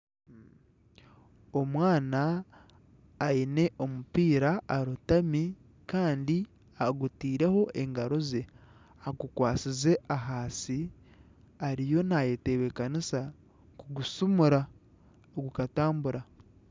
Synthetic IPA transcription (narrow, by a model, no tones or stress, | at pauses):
o̞mwaːna | ine̞ʔo̞mupiːɾaaɾutami | kaːndi | aɡutiːɾe̞ho̞ʔe̞ŋɡaɾo̞ze̞ | aɡukwaːsize̞ʔaɦaːsi | aɾijo̞najeteβekanisa | kuɡusumuɾa | oɡukataːmbuɾa